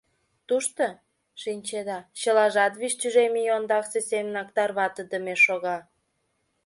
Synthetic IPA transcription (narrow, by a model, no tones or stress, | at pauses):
t̪uʃt̪o | ʃinʲt͡ɕed̪ɑt͡ɕəlɑʒɑt̪βiʃt̪yʒemijond̪ɑksesemənɑkt̪ɑrβɑt̪ə̆d̪əmeʃoɣɑ